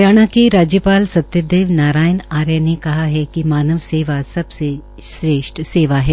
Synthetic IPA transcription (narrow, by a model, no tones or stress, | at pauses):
jaːɽ̃ãkeɾaːd͡ʒjəpaːlsɐt̪jəd̪eːʋnaːɾaːjənaːɾjanekɐɦaɦɛkimaːnəʋseːʋasɐbse | ʃɾeːʃʈseːʋaɦɛː